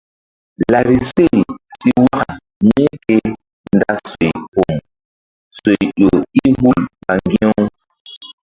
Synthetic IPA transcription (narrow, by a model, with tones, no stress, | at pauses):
la˨ɾi˨se˦˨jsi˦wa˦ka˨ | mi˦ke˦ | nda˦so˨jpo˨m | so˨jɗo˨i˦ɦu˦lma˨ŋɡi˦o˦w